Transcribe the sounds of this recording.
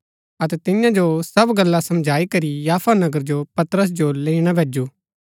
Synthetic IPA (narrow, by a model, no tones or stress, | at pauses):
ɐt̪ɛt̪ɪjãd͡ʒosɐbɡɐlːasɐmd͡ʒʱaːikɐɾijaːpʰanɐɡəɾd͡ʒopɐt̪ɾəs̬d͡ʒoleːiɽ̃abʱeːd͡ʒuː